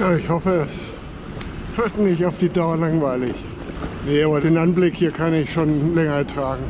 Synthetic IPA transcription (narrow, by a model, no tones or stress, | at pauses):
jaːɪçhɔfəɛs | høːɐtnɪçtaʊfd̥iːdaʊɐlaŋvaɪlɪç | nəabɐdeːnʔanblɪkhiːɐkʰanɪçʃoːnlɛŋɐɛɐtʁ̥aːɡŋ̩